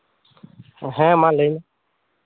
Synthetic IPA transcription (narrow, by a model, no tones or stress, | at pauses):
ɦɛ̃ːmãːləin